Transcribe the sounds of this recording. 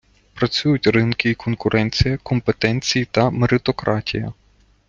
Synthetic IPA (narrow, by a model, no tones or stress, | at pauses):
pɾɐt͡sʲujʊtʲrɪnkʲɪikɔnkʊɾʔɛnʲt͡sʲijɐkɔmpet̪ɛnʲt͡sʲijit̪ɐmeɾɪt̪ɔkɾʔɑtʲijɐ